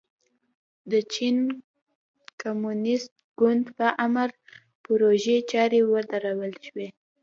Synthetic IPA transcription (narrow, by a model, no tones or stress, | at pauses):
d̪ət͡ʃin | komunɪst̪̚ɡʊnd̪pəʔaməɾ | pʊɾoʒet͡ʃɑɾewəd̪aɾawəlʃwe